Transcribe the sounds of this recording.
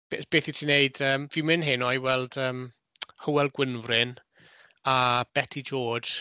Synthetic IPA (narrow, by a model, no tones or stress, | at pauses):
b̥eb̥eːθitʰiːneɨd̥əːmvimɪnɦɪnɔiwɛlˠd̥əːm | həwɛlˠɡ̥wɪnvrɪn | ab̥ɛtʰid͡ʒo̥ːʒ̥